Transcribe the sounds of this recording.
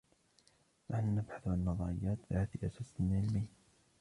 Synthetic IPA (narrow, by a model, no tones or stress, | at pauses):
naħnunabħaθwanːɑðˤɑɾɪjːaːt̪ðhaːt̪iʔasaːsnɪlʕɪlmij